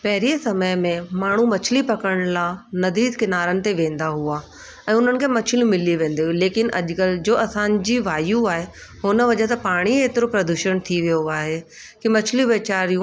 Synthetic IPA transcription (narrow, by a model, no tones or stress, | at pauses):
pɛɦɪɾiesɐməjmẽmaːɳ̤umɐt͡ɕʰɪlipɐkəɽ̃lanɐd̪iːd̪kɪnaːɾənɪ̆t̪eʋẽːnd̪aɦua | ɛ̃ːʊn̤ənɪ̆kʰeːmɐt͡ɕʰɪlĩmɪliʋẽːn̆d̪iɦuileːkɪnʔɐ̰ʄkəld͡ʑoːɐsãːnd͡ʑiːʋaːjũaːɦe | hʊnə̆ʋɐʄet̪ɐpaːɽ̃ieːt̪ɪɾopɾɐd̪uʃəñt̪ʰiʋijoaːɦe | kimɐt͡ɕʰliʋeːt͡ɕaːɾijũ